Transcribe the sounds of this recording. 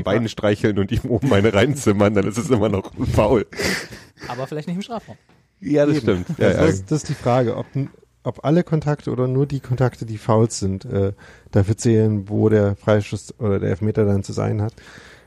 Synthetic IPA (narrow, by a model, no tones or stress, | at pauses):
nbaɪnənʃtʁ̥aɪçl̩nʊntiːmʔoːm̩maɪnəʁaɪnt͡sɪmɐndanɪstɛsʔɪmɐnɔχfaʊl | ʔaːbɐfɪlaɪçtnɪçtɪmʃtʁaːfʁaʊm | jaːdassʃmtɪmtja̰ja̰dassd̥asɪstd̥iːfʁ̥aːɡəʔɔ̰p̚ | ʔɔpʔaləkʰɔntʰaktʰəʔoːdɐnuːɐdiːkʰɔntʰaktədiːfaʊlz̥ɪntʔɛːd̥afyːɐt͡sɛːlənvoːɾeːɐfʁ̥aɪʃtoːsʔoːɾɐdeːɐɛlfmeːtɐdant͡suza̰ɪənɦat